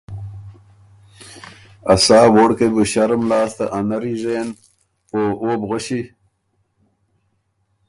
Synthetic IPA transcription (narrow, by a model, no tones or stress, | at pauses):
ɐsaːwoɽkebuɕɐɾmlaːst̪ɐ̰ʔanɐɾiʐen | oːʔoːbɣoɕi